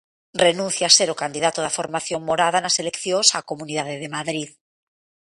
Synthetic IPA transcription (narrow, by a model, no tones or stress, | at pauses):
renũnθjaseɾokand̪iðat̪oð̞afoɾmaθjo̞ŋːoɾað̞anaselekθjonsakomuniðaðeðemaðɾið